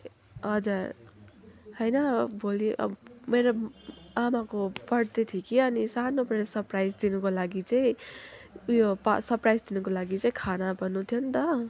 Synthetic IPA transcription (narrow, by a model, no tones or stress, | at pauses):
ʌd͡zar | ɦʌjnʌbʱoliʔʌ̰meɾoamakopʌɽt̪et̪ʰikiʌnisanopreɾesʌrprajd͡zd̪inukolaɡit͡saĩ | ujopa̰sʌrprajd͡zd̪inukolaɡit͡saĩkʰanabʱʌnːut̪ʰijont̪ʌ